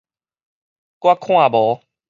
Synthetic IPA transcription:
kwa˦kʰw̃ã˥˨bɔ˨˦

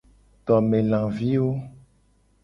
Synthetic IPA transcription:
t̪ɔ˨mẽ˨lã˨vi˦wo˦

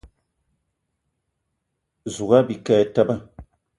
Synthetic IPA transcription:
zu˨ɡa˦bi˨ka˦ta˦ba˦

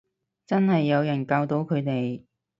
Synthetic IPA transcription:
t͡sɐ˥nhɐ˨jːɐ˨˧wjɐ˨˩nkaː˧wt̪o˨˥wkʰɵ˨˧ɥt̪e˨j

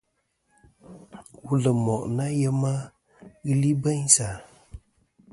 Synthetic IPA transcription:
wu˦lə˨mɔ˨ʔna˦jə˦ma˦ | ɣɨ˦li˦bə˦ɲsa˨

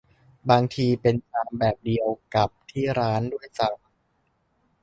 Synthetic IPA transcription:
baː˧ŋt̪ʰiː˧pe˧nt͡ɕaː˧mbɛː˨˩p̚di˧əwka˨˩p̚t̪ʰiː˥˩ɾaː˦˥ndu˥˩əjsa˨˩w

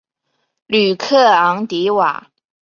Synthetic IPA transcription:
ly˨˩kʰɤ˥˩ɑ˧˥ŋt̪i˧˥wa̰˨˩˦

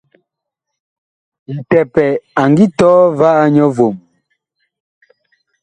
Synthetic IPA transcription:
i˨tɛ˨pɛ˨a˨ŋɡi˦tɔː˦va˦a˦ɲɔ˦vo˨m˨

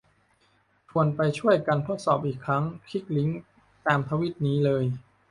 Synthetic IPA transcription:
t̪ʰu˧ənpa˧jt͡ɕʰu˥˩əjka˧nt̪ʰo˦˥t̪̚sɔː˨˩p̚ʔiː˨˩kʰːɾa˦˥ŋkʰi˦˥˩k̚li˦˥ŋ | t̪aː˧mt̪ʰaː˧wi˦˥˩t̪̚niː˦˥lɤː˧j

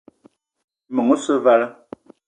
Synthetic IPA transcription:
mə˨ŋo˦sə˦va˦lə˦

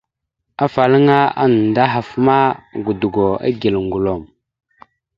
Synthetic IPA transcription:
a˦fa˨lə˦ŋa˦a̰˦n˨nda˦ɦa˨fma˦ɡu˨du˨ɡo˨a̰˦ɡi˨lŋɡu˨lo˨m

